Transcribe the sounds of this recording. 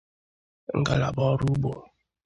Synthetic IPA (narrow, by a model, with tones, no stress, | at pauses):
ŋ̩˦ɡa˦la̰˨bɔ˦ɾu˦bo˨